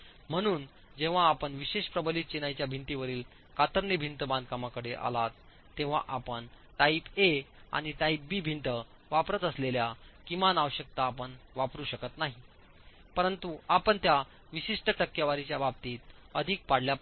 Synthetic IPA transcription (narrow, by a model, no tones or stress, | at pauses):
m̤əɽ̃uːn | d͡ʑeʋ̤aːpəɳʋiɕeɕpɾəbəlit̪̚t͡ɕenajt͡ɕjabʱint̪iʋəɾiːl | kat̪əɾnibʱint̪bãnd̪̚ʱkamakəɽeʔa̰lat̪ː | ẽʋ̤a̰ʔapəɳ | ʈaipea̰ɽ̃iʈaip̚biːbʱint̪ə | ʋapɾət̪əsleljakimanaʋəɕək̚t̪aːpəɳʋapɾuːɕəkət̪naɦi | pəɾənt̪uapəɳt̪ja | ʋiɕiʂʈəʈəkːjaʋaɾit͡ɕjabab̚t̪iːt̪əd̪ʱiːk̚paɽljap